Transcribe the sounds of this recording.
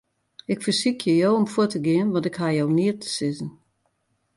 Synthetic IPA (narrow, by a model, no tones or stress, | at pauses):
ɪkfərsikʰjəjowomfuətəɡɪənʋɔntɪkɦajowniətʰə̥sɪzn̩